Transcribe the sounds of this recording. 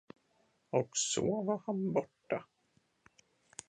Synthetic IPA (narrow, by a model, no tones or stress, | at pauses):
ɔksoːvahanbɔʈːa